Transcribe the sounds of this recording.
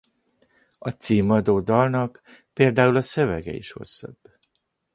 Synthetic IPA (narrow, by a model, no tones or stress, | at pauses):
ɒt̪siːmɒd̪oːd̪ɒlnɒk | peːld̪aːulɒsø̞vɛɡɛ̰ḭʃho̞̰sːɒ̰b̥ː